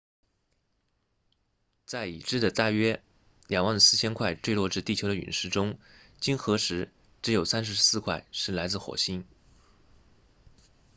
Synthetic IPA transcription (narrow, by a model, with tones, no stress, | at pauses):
t͡sa˥˩ɪi˨˩ʈ͡ʂɻ̩˥d̪ə˨t̪a˥˧˩ɥɛ˥ | lja˨˩ŋwɑ˥˩ŋd̪ə˩sɹ̩˥˩t͡ɕʰjɛ˥nkʰwa˥˧ɪʈ͡ʂwe˥˧ɪlwɔ˥˧ʈ͡ʂɻ̩˥˧t̪i˥˩t͡ɕʰo˧˥ʊd̪ə˨y̰˨˩nʂɻ̩˥˩ʈ͡ʂʊ˥ŋ | t͡ɕi˥nxɤ˧˥ʂɻ̩˧˥ | ʈ͡ʂɻ̩˧˥jo˨˩ʊsa˥nʂ̬ɻ̩˧˥sɹ̩˥˧kʰwa˥˩ɪʂɻ̩˥˩la˧˥ɪt͡sɹ̩˥˩xwɔ̰˨˩ɕi˥n